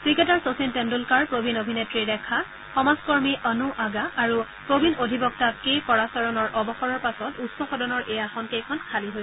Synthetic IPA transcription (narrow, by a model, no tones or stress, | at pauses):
kɹiketaɹsosintendulkaɹpɹobʱinobʱinetɹidɛkʰa | xɔmazkɔɹmiʔɔnuʔaɡaːɹu | pɹobinodʱibɔk̚takejkɔɹasɔɹɔnɔɹʔɔbɔxɔɹɔɹpasɔtutsɔxɔdɔnɔɹʔɛjaxɔnkejkʰɔnkʰaliɦojɛ